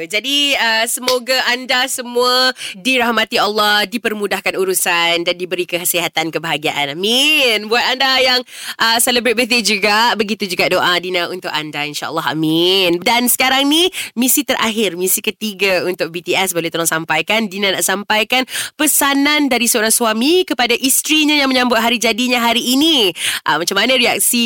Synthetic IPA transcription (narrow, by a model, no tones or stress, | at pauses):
d͡ʒadiəsəmoɡaʔandasəmũadiɾahmat̪ialːɔhdipərmũdahkanuɾusandandibəɾikəəsiɦat̪ankəbəɦaɡiaʔanaminbuat̪̚andajaŋ | ʔəsɛləbɾet̪̚wiθid͡ʒuɡaʔbəɡit̪ud͡ʒuɡaʔdoʔadinãunt̪ʊkandainʃa̰ʔə̰lːaɦa̰mindansə̥kaɾaŋnimisit̪əɾʔa̰ɦɪrmisikət̪iɡaunt̪ʊk̚bit̪iɛsbolet̪olʊŋsampajkandinãnaʔsampajkanpəsanandaɾisəoɾaŋsuwamikəpadaʔist̪ɾiɲãjaŋmə̃ɲãmbʊt̪̚ɦaɾid͡ʒadiɲaɦaɾiʔːniʔəmat͡ʃamːanə̃ɾiak̚si